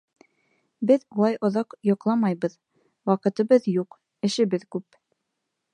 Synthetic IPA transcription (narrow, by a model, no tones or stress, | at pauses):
bɘðulˠɑjʔŏðɑqjŏqlˠɑmɑjβɤð | wɑqɤ̆t̪ɤ̆βɤðjuq | ɘ̆ʃɘ̆βɘðkʉp